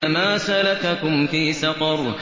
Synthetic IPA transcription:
amaːsalakakʊmfiːsɑfɑɾˤ

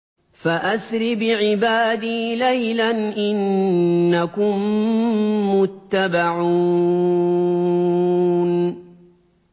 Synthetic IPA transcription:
faʔasɾɪbɪʕɪbaːd̪iːlajlanʔɪnː | akʊmː | ʊt̪ːabaʕuː | n

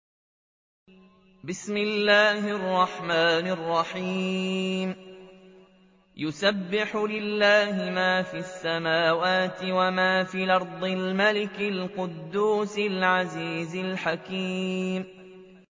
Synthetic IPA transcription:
bɪsmɪlːaːhɪɑrˤːɑħmaːnɑrˤːɑħiːm | jʊsabːɪħʊlɪlːaːhɪmaːfiːasːamaːwaːt̪ɪwamaːfiːlɑɾˤd̪ˤɪlmalɪkɪlqʊd̪ːuːsɪlʕaziːzɪlħakiːm

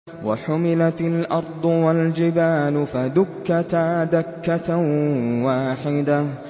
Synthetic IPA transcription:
wa̰ħʊmɪlat̪alʔɑɾˤd̪ˤʊwald͡ʒɪbaːlʊfad̪ʊkːat̪aːd̪akːat | waːħɪd̪a

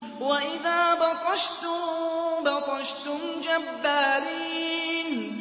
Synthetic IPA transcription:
waʔɪðaːbɑqɑʃt̪ʊbɑqɑʃt̪ʊmd͡ʒabːaːɾiːn

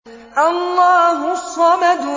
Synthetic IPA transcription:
ʔɑlˤːɑːɦʊsˤːɑmad̪ʊ

